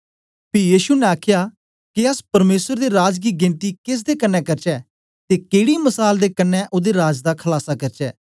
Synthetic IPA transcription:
pʰɪjiːʃunɛ̃aːkʰjaː | kiəspəɾmeːsəɾd̪eːɾaːd͡ʒɡiːɡɪnt̪iːkɪs̬d̪eːkənːɛ̃ːkəɾt͡ʃɛː | t̪eːkeːɽiːməsaːld̪eːkənːɛ̃ːʔoːd̪eːɾaːd͡ʒd̪aːkʰəlaːsaːkəɾt͡ʃɛ̰ː

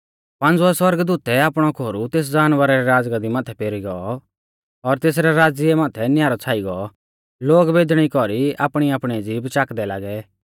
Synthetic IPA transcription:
pãnd͡zuɛswɐɾɡd̪uːt̪ɛaːpɽ̃ɔkʰoːɾut̪eːs̬d͡zaːnʋəɾɛɾɛɾaːd͡zɡad̪imaːt̪ʰɛpeːɾiɡɔɔ | ɔɾt̪eːs̬ɾɛɾaːd͡zɪɛmaːt̪ʰɛnɪjaːɾɔt͡sʰaːiɡɔ | loːɡbeːd̪ɽ̃ikɔɾia̰ːpɽ̃iaːpɽ̃id͡ziːbt͡ʃaːkd̪ɛla̰ːɡɛ

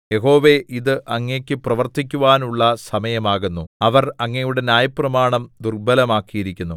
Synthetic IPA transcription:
je̞ɦo̞ːʋeʔiðɨʔɐŋːekʲːɨprɐʋɐrt̪ik̬ʲːuʋaːnuɭːɐsɐmɐjɐmaːɣunːuɐʋɐrɐŋːɐjuɽe̞njaːjɐprɐmaːɳɐmd̪urbɐlɐmaːkːijiɾikʲːunːu

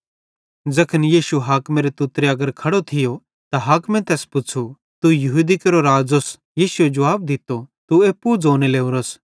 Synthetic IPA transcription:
d͡zɐkʰənjiːʃuɦaːkmeːɾet̪ʊt̪ɾeɐɡəɾkʰɐɽot̪ʰɪjo | t̪aɦaːkmɛ̃t̪ɛːspʊt͡ʃʰu | t̪ujɐɦuːd̪ikeɾoɾaːd͡zos | jiːsʊed͡ʒɐʋaːb̚d̪ɪt̪ːot̪ueːpːud͡zoːneleːuɾoːs

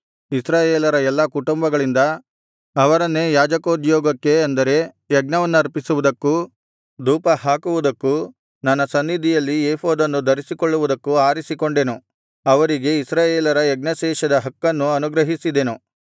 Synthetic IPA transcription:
isɾaːjeːlɐɾɐɛlːɐkuʈumbɐɡɐɭind̪ɐː | ʋɐɾɐnːejaːd͡ʒɐkoːd̪jɔːɡɐkːe̞ɐnd̪ɐɾe̞ | jɐɡnɐʋɐnːuɐɾpisuʋud̪ɐkːu | d̪uːpɐhaːkuʋud̪ɐkːu | nɐnːɐsɐnːid̪ʱijɐlːieːhoːd̪ɐnːud̪ʱɐɾisikoɭːuʋud̪ɐkːuaːɾisiko̞ɳɖe̞nu | ɐʋɐɾiɡe̞isɾaːjeːlɐɾɐjɐɡnɐʃɛːʃɐd̪ɐɦɐkːɐnːuɐnuɡɾɐɦisid̪enu

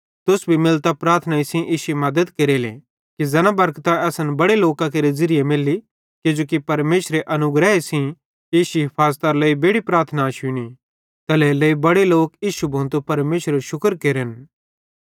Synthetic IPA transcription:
t̪ʊsbʱimɪlt̪apɾaːɾt̪ʰnaisĩʔiːsuimɐd̪əd̪keɾelḛ̃ | kizɐnabɐɾkt̪aɛːsənbɐɽeloːkãk̬eɾezɪɾɪjemɪlːi | kɪd͡ʒoːkipɐɾmeːʃɾeʔɐnʊɡɾɛesĩ | eːsiɦɪpʰaːzt̪aɾləːibeːɽipɾaːɾt̪ʰnaʃʊñi | t̪ɐleləibɐɽeloːkiːʃubʱɐ̃ːnt̪upɐɾmeːʃɾeɾʃʊkəɾkeːɾən

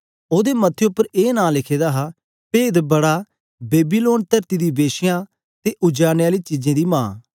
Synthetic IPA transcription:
oːd̪eːmət̪ʰːeʊpːəɾeːnãːlɪkʰeːd̪aːɦaː | peːd̪bəɽaː | beːbiːloːnt̪əɾt̪iːd̪iːbeːʃɪjãː | t̪eːʔʊd͡ʒaːnːaːliːt͡ʃiːd͡ʒẽːd̪iːmãː

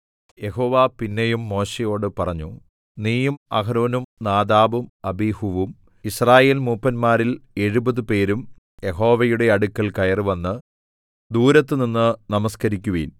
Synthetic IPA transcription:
je̞ɦo̞ːʋaːpinːejumːo̞ːɕejo̞ːɽɨpɐrɐɲːu | niːjumɐ̰ɦɐɾoːnumnaːd̪aːʋumɐbihuʋum | israːje̞ːlmuːpːɐnmaːɾile̞ɻubɐðɨpe̞ːɾum | je̞ɦo̞ːʋɐjuɽe̞ɐɽukːɐɭkɐjɐrɨʋɐnːɨ | d̪uːɾɐt̪ːɨninːɨnɐmɐskɐɾikʲːuʋɐ̰jin

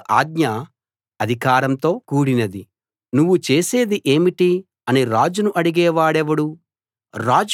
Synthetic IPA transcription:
ʔaːɡɲɐ | ɐd̪ʱikaːɾɐmt̪o̞ːkuːɽinɐd̪i | nuʋːut͡ʃe̞ːse̞ːd̪iʔe̞ːmiʈi | ɐniɾaːd͡ʒunuʔɐɽiɡɛːʋaːɽɛʋɐɽu | ɾaːd͡ʒ

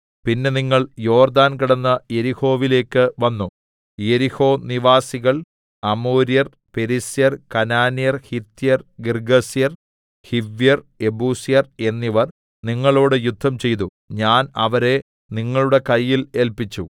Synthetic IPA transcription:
pinːe̞niŋːɐɭjo̞ːrd̪aːnkiɽɐnːɐje̞ɾiho̞ːʋile̞ːkːɨʋɐnːu | je̞ɾiho̞ːniʋaːsiɣɐɭ | ɐmoːɾjɐr | pe̞ɾisijɐrkɐnaːnijɐrhit̪ːijɐrɡirɡɐsijɐr | hiʋːjɐr | e̞buːsijɐre̞nːiʋɐr | niŋːɐɭo̞ːɽɨjud̪ʱːɐmt͡ɕe̞jt̪̬u | ɲaːnɐʋɐɾe̞ | niŋːɐɭuɽe̞kɐjːile̞lpit͡ɕːu

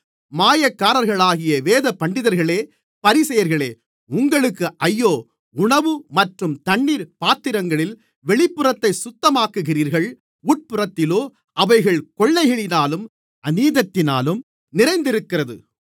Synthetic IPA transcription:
maːjɐkːaːɾɐɾɣɐɭaːɣɪjɐʋeːðɐpːɐɳɖɪðɐɾɣɐɭeː | pɐɾɪsɐjɐɾɣɐɭeː | ʊŋɡɐɭɯkːɯʔɐjːoː | ʊɳɐʋɯmɐʈrɯmt̪ɐɳːiːɾpaːt̪ːɪɾɐŋɡɐɭɪl | ʋɛɭɪpːɯrɐt̪ːɐɪsʊt̪ːɐmaːkɯɣɪriːɾɣɐɭ | uːʈ̚pɯrɐt̪ːɪloː | ʔɐʋɐɪɣɐɭkɔɭːɐɪɣɪɭɪnaːlɯm | ɐniːðɐt̪ːɪna̰ːlɯm | nɪrɐɪnd̪ɪɾɯkːɪrɐðɯ̰

